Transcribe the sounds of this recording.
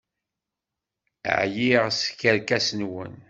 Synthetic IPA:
ʕjiʁskːəɾkæsənwə̰n

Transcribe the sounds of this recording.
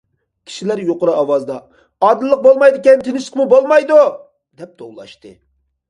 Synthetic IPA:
kʲʰi̥ʃilæɾjoqʊɾɨɑwɑzd̪ɑ | ɑd̪ɨlˠːəq̚bolˠmɑjd̪ɪkʲɛnt̪ʰɪnɪʃɪ̥qmubolˠmɑjd̪u | d̪̥ɛp̚d̪ʰowlˠɑ̰ʃt̪ɨ̰

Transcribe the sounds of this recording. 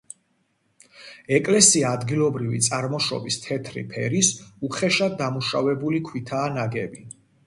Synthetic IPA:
ɛkʼlɛsiaːd̪ɡilˠɔbɾivḭt̪sʼaɾmɔʃɔ̰bist̪ʰɛt̪ʰɾḭpʰɛɾisuχɛʃad̪d̪amuʃavɛbulikʰwit̪ʰaːnaɡɛbi

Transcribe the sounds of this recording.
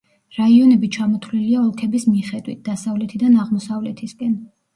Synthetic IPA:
ɾaiɔnɛbit͡ʃʰamɔt̪ʰliliaɔlˠkʰɛbismiχɛd̪wḭt̪̚ʰd̪̥asavlɛt̪ʰid̪anaʁmɔsavlɛt̪ʰiskʼɛn

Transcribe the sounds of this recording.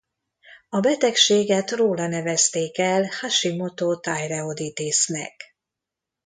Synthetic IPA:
ɒbɛt̪ɛkʃeːɡɛt̪roːlɒnɛvɛst̪eːkɛlhaʃimo̞t̪ot̪ajrɛod̪it̪eːsnɛ̰k

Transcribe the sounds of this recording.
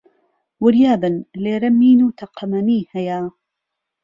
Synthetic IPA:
wʊɾjaːbɨnleːɾɐmːiːnuːt̪ʰɐqʰɐmɐniːhɐjaː

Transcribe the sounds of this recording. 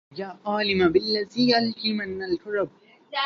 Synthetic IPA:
jaːʔaːlɪmabɪlːaziːjalʔiːmanːalkʊɾɐb̚

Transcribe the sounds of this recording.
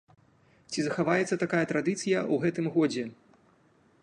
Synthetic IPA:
t͡sʲizɐxavajɛt̪sːɐt̪akajɐt̪ɾad̪ɨt̪sɨjɐwɣɛt̪ɨmɣɔd͡zʲɛ

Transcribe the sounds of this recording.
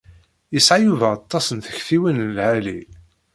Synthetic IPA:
jəsʕajuvæɑt̪ˤːɑsənθə̥çθiwinlhæli

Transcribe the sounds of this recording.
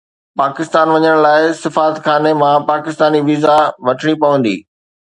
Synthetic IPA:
paːkɪst̪aːnʋɐɲəɽ̃laːɪsɪfaːət̪xaːnemãpaːkɪst̪aːniʋiːzaʋɐʈʰɽ̃ipɐʋə̃n̆d̪ḭː

